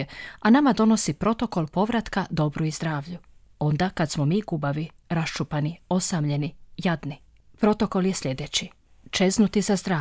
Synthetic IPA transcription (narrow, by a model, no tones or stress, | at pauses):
eanamad̪o̞no̞sipɾo̞t̪o̞ko̞lˠpo̞ʋɾat̪kad̪o̞bɾuizd̪ɾaːʋʎu | o̞nd̪akad̪smo̞miːɡubaʋi | ɾast͡ʃupanio̞samʎe̞nijad̪ni | pɾo̞t̪o̞ko̞lje̞sʎe̞d̪e̞t͡ɕi | t͡ʃe̞znut̪izazd̪ɾaː